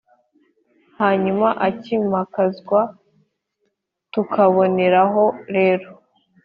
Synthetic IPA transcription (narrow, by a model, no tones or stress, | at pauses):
haːɲumaʔacimakazɡwa | tukʰaβo̞ne̞ɾaɦo̞ɾe̞ːɾo